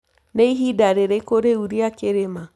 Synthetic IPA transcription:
neiɦidaɾeɾekoɾeuɾiakeɾema

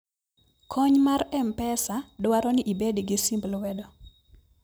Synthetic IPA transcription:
kʰɔɲmaɾɛmpɛsadwaɾɔnɪʔibedɡɪsimblwɛdɔ

